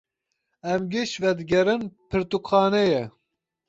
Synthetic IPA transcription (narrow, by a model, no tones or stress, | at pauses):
ɛmɡʲeʃvɛd̪ɨɡʲɛɾɨnpʰɨɾt̪ukχɑːnɛjɛ